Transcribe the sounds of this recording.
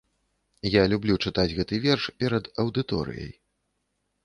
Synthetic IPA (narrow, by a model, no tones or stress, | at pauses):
jalʲublʲut͡ʂɨt̪ad͡zʲɣɛt̪ɨvʲɛrʂpʲɛɾɐd̪ɐwd̪ɨt̪ɔ̰ɾɨ̰jɐ̰j